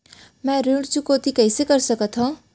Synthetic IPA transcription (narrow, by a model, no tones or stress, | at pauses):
mãɾuɽt͡sukot̪ikʌjsʌɡʌrsʌkʌt̪ʰʌ